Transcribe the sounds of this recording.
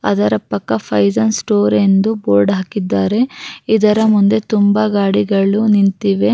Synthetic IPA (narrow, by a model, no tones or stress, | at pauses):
ɐ̰d̪ɐɾɐpɐkːɐpʰɐjzɐnsʈoːɾe̞nd̪uboːɾɖɦaːkid̪ːaːɾe̞id̪ɐɾɐmund̪e̞t̪umbɐɡaːɽiɡɐɭunint̪iʋe̞